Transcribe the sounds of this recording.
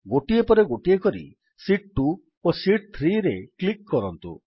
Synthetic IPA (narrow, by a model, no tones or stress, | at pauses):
ɡoʈiepɔɾeɡoʈiekɔɾḭ | siʈ̚ʈu | osiʈ̚t̪ʰɾiɾeklikːɔɾɔnt̪ṵ